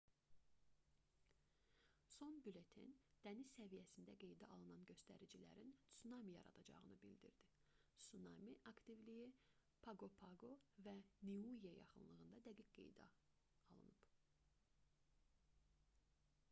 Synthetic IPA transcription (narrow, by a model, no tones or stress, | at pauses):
so̞nbyle̞t̪ʰḭnd̪̥ænisːævijæsind̪æɡe̞jd̪æʔɑlˠɯnɑnɟø̞st̪æ̰ɾid͡ʒilæ̰ɾinsunɑmijɑ̰ɾɑ̰d̪ɑd͡ʒɑ̰ʁɯnɯbild̪ḭɾd̪isunɑmiʔɑkt̪ivliji | pʰɑɡopʰɑɡovæniuiejɑ̰χɯnlˠɯɣɯnd̪ɑd̪æɡicɡe̞̰jd̪æ̰ | ɑlˠɯ̰nɯb̥